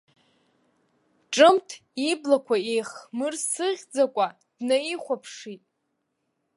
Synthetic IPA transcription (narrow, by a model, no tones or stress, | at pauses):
ʈ͡ʂʼɨmtʰiblakʷʰaejχmɨrsɨʁʲd͡zakʷʼa | d̥naiχʷapʰʂitʼ